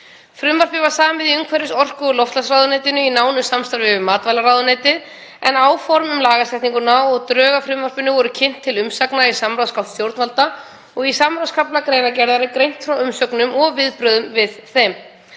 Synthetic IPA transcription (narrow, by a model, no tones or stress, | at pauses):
fɾʏmvar̥pɪvasaːmvɪðiʏŋkʰvɛɾɪsɔr̥kʏɔlɔft̪lasrawðʏnɛjt̪ɪnʏinaːwnʏsamst̪aɾvɪvʏmaːt̪vajlaɾaːwðʏnɛːjt̪ɪð | ɛnaːwfɔɾmʏmlaːɣasɛht̪niŋkʏnawɔɣt̪ɾœːɣafɾʏmvar̥pɪnʏvɔɾʏcʰɪn̥t̪ʰːɪlʏmsaknaisamɾawskʰawt̪θjowɾt̪nvalt̪a | ɔɣisamɾawskʰaplakɾeːjnacɛɾðaɾɪkɾejn̥t̪fɾawʏmsœknʏmɔɣvɪðpɾœðʏmvɪðθɛm